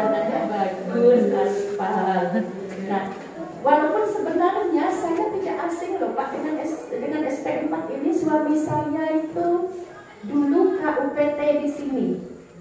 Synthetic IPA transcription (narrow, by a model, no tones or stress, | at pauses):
nad͡ʒabaɡudɡaspaɦaal | nah | walawpʊnsəbənarɲasajat̪idaʔasɪŋlɔpakdəŋanɛsdəŋanɛst̪ɛʔnpak̪inisuabisaɲait̪u | duluhaʔuket̪ɛdisini